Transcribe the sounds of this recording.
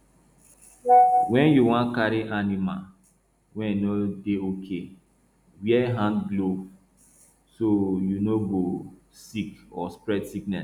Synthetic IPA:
wɛ̃njuwãnkaɾiʔanima̰l | wɛ̃ninodeokʰe | wiɛɦãndɡlo | sojunoɡo | sikɔspɹɛdsiknɛ̰s

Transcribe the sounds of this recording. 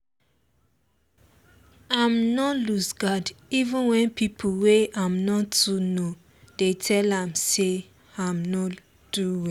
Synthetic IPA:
ãmnɔlusɡadivũnwɛ̃npipʰuweãmnɔtuno | d̥etʰɛlãmse | ãmnɔ | d̥uwi

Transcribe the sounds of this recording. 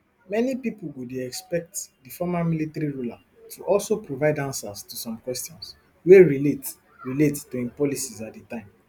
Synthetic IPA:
mɛnipipulwudeɛkspɛk̚tdifɔmamilitaɾiɹula | tʰuʔɔlsopɹovaɪdãnsastusɔ̃mkwɛstɔ̃ns | weɹilet | ɹilettuɛ̃mpɔlisizat̚dətãɪ̃m

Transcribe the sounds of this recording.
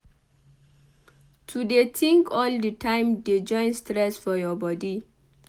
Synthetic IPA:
tʰudetʰĩŋkʰɔldətʰãɪ̃mded͡ʒɔ̃ɪ̃nstɾɛsfɔjɔbɔdi

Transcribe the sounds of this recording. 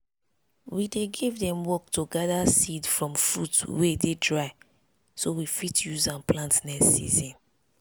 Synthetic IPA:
wideɡivdɛ̃mwɔk̚tuɡadasidfɹɔ̃mfṵtwededɹaɪ | sowifitjuzãnplãntnɛːḭzĩn

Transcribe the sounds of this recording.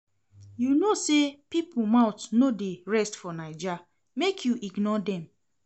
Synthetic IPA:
junosepipumãʊtnodeɹɛstfɔnaɪd͡ʒa | mekʰjuʔiɡnɔdɛ̃m

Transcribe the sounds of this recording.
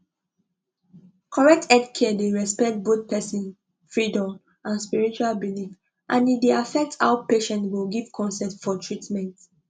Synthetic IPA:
kʰɔɹɛk̚tʰɛdkʰɛdeɹɛspɛk̚t̚bot̚pʰɛsĩn | fɹidɔ̃m | ʔãnspiɹit͡ʃualbilif | ʔãnideafɛk̚tʰa̰ʊpeʃɛ̃ntwilɡiv̥kʰɔ̃nsɛ̃tfɔtʰɹitmɛ̃nt

